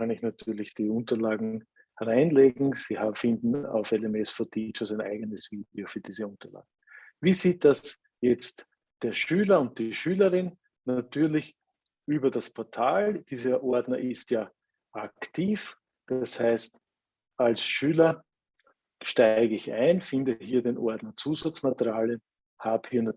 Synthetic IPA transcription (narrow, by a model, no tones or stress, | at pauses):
kʰanɪçnatʰyːɐlɪçd̥iːʊ̃ntɐlaːɡŋ̩ | hɛʁaɪnleːɡŋ̩siːhaːfɪndn̩a̰ʊfɛlɛmɛsfɔɐtʰit͡ʃosaɪnʔa̰ɪɡənəsviːdeofyːɐd̥iːzəʊntɐla̰ːɡŋ̩ | viːziːt̚d̥as | jɛt͡st | d̥eːɐʃyːlɐʊnt̚d̥iʃyːləʁɪn | natʰyːɐlɪç | ʔyːbɐdaspʰɔɐtʰaːld̥iːzɐʔɔɐdnɐʔɪstjaː | ʔaktʰiːf | d̥ashæɪst | ʔalsʃyːlɐ | ʃtæɪɡəɪçæɪnfɪ̃ndəɦiːɐdenʔɔɐdnɐt͡suːzat͡smatʁjaːlə | haːbhiːɐna